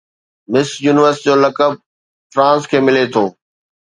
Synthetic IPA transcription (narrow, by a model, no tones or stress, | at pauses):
mɪsjuːnɪʋəɾsɪ̥ʈid͡ʑoːlɐkəb̚ | fɾãːskʰeːmɪlet̪ʰoː